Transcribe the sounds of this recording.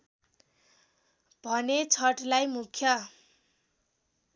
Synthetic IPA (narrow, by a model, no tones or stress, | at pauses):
b̥ʱʌnet͡sʰʌʈlajmukʰjʌ